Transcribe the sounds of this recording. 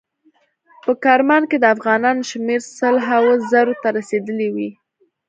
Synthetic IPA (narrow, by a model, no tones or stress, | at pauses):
pəkɑɾmɑnked̪əafɣɑnɑnoʃmeɾsəlɦawəzaɾot̪aɾased̪əliwi